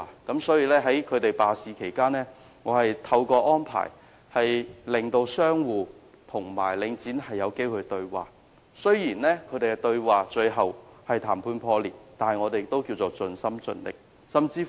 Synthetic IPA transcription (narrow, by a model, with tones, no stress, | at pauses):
kɐ˨˥msɔː˨˥jiː˧lɛː˥ɦɐ˨˥jkʰɵ˨˧ɥt̪e˨jpaː˨siː˨˧kʰe˨˩jkaː˥nɛː˥ | ŋɔː˨˧hɐ˨jt̪ʰɐ˧wkɔː˧ʔɔː˥npʰa̰ː˨˩j | hɐ˨jlɪ˨ŋt̪o˧wsœː˥ŋwuː˨ | t̪ʰʊ˨˩ŋma̰ː˨˩jlɪ˨˧˥ŋt͡siː˨˥nhɐ˨jːɐ˨˧wke˥jhɵ˧t̪ɵ˧ɥwa̰ː˨˩ | sɵ˥jiː˨˩nlɛː˥kʰɵ˨˧ɥt̪e˨˩kɛ˧t̪ɵ˧ɥwaː˨t͡ʃɵ˧ɥɦɐ˨whɐ˨jt̪ʰaː˨˩mpʰuː˧npʰɔː˧liː˨˩t̚t̪aː˨n˨jŋɔː˨˧t̪e˨t̪o˥wkiː˧wt͡so˨t͡sɵ˨˧nsɐ˥mt͡sɵ˧nlɪ̰˨k̚ | sɐ˨mt͡siː˧